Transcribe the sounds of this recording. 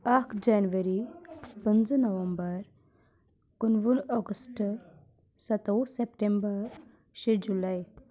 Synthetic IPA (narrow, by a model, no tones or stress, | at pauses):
akʰd͡ʑanʋəɾipənd͡znəʋəmbəɾ | kunʋunɔɡəsʈ | sat̪əwsepʈembəɾ | ɕed͡ʑulaj